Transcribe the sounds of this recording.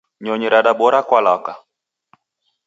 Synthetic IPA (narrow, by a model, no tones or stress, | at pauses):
ɲɔɲɛɾaɗaɓɔɾakwalaka